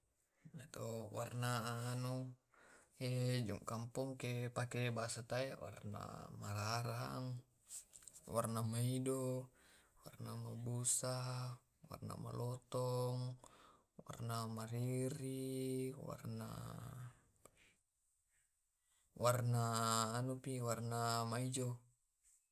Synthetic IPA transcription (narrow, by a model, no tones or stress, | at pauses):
nat̪owarnaːnu | ed͡ʒṵŋkampuŋkepakebasat̪aewa̰rna̰maɾaɾaŋ | warnamaido | warnamabusa | wa̰rna̰ma̰lɔt̪ɔŋ | wa̰rnamaɾiɾiwa̰rna̰ | warnaːnupiwarnamaid͡ʒo